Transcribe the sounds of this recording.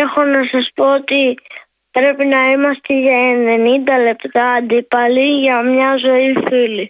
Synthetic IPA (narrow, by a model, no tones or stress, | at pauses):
exo̞nɐsɐspo̞ot̪i | pɾe̞pinɐimɐst̪eʝɐenenind̪ɐle̞pt̪ɐːd̪ipɐliʝɐmɲɐzo̞ifili